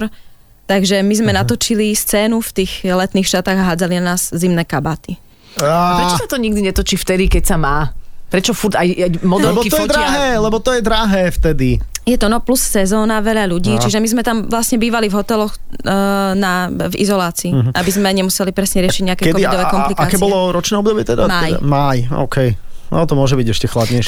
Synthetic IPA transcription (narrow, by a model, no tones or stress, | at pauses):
ɾ | t̪aɡʒɛmizmɛnat̪ɔt͡ʃilist͡sɛːnuft̪iːxlɛt̪niːxʃat̪aːɣaɦaːd͡zalinanaːz̥zimnɛːkabaːt̪i | apɾɛt͡ʃsat̪ɔɲiɡ̚d̪iɲɛt̪ɔt͡ʃift̪ɛd̪ikɛcsamaːpɾɛt͡ʃɔfuɾt̪ajajmɔɛbɔt̪ɔjɛd̪ɾaɦɛːlɛbɔt̪ɔjɛd̪ɾaɦɛːft̪ɛd̪ijɛt̪ɔnɔplussɛzɔːnaʋɛʎaʎuɟiːt͡ʃiʒɛmizmɛt̪amʋlasɲɛbiːʋalivɦɔt̪ɛlɔx | navḭzɔlaːt͡siːɦʔabizmɛɲɛmusɛlipɾɛsɲɛɾɪʃiɟɲɛakɛkɛkɔʋidɔʋɛkɔmplikakɛːbɔlɔɾɔt͡ʃnɛːɔbd̪ɔbɪɛt̪ɛd̪amaj̰majɔ̰ʊkʰɛj | nɔ̰t̪ɔmʊɔʒɛbiɟɛʃcɛxlad̪ɲɛjʃ